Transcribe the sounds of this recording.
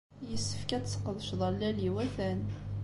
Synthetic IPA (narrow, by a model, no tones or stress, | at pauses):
jəsːə̥fkæt͡ssə̥qːəðˤəʃðˤɑlːæliwæθæn